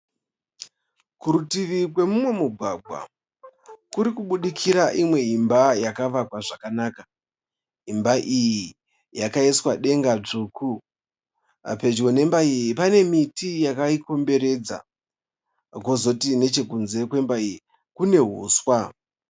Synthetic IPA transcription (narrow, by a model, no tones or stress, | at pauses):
kuɾutiʋik̬we̞mumwe̞muɡʱwaɡʱwa̰ | kuɾikuɓuɗikʰiɾaʔimwe̞imbajakaʋakwaʐakanaːka | ɦimbaʔiji | jakaiswaɗe̞ŋɡad͡ʐukʰu | pe̞d͡ʒwone̞mbaijipane̞mitijakaiko̞mbe̞ɾe̞d͡za̰ | ko̞zo̞tine̞t͡ʃe̞kunze̞kwe̞mbaiji | kune̞ɦṵːswa